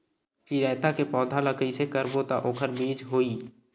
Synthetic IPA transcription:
t͡ʃiɾaːt̪akepɔ̃ːd̪ʱaləkʰəisekəɾbot̪aʔoːkʰəɾmiːd͡ʒɦoːiː

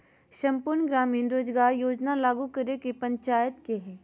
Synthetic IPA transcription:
ʃəmpʊɾɳɡɾaːmiːnɾoːd͡ʒɡaːɾjoːd͡ʒnalaːɡukəɾekepəɲt͡ʃaːjət̪keɦɛː

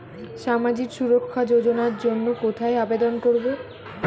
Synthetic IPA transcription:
ʃamad͡ʑikʃuɾokʰːad͡ʑod͡ʑonaɾd͡ʑonːokot̪ʰaeabed̪onkoɾbo

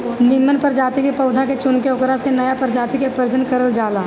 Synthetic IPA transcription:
nɪmːənpɐɾd͡ʒaːt̪ikepɐʊd̪ʱaket͡ʃʊnkeʊkɾasenɐjapəɾd͡ʒaːt̪ikepəɾd͡ʒənkɐɾəld͡ʒaːlaː

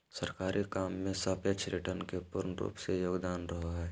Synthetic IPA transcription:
səɾkaːɾʔikaːmːẽsəpjət͡ʃʰɾɪʈəɾnkepʊɾnɾṵːpsejoːɡd̪aːnɾɐɦaɦɛː

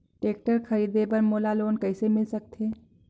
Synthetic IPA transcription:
ʈeːk̚ʈəɾxʰɐɾiːd̪epɐɾmoːlaloːnkɛːɪsemɪlsɐk̚t̪ʰeː

